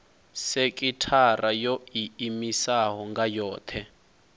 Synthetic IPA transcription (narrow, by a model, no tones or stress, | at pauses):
sekʼitʰarajoiimisaɦɔŋɡajɔːt̪ʰɛ